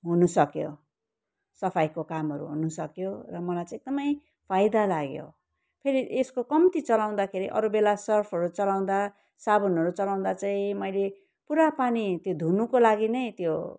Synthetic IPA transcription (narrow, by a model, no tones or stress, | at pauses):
ɦunusʌkjo̰ | sʌpʰajkokamɦʌɾṵɦunusʌkjorʌmʌlajt͡sãeɡ̚d̪ʌmʌj | pʰajd̪alaɡjo̰ | pʰeɾiʔeskokʌmt̪it͡sʌlaw̃d̪akʰeɾiʔʌ̰ɾubelasʌrpʰʌɾut͡sʌlaw̃d̪a | sabʌnɦʌɾut͡sʌlaw̃d̪at͡saĩmʌjle | puɾapanit̪jod̪ʱunukolaɡinʌjt̪jo